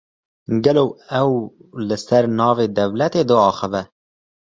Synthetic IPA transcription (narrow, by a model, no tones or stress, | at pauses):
ɡɛloːɛwlɨsɛɾnɑːveːd̪ɛvlɛt̪eːd̪ɨɑːxəvɛ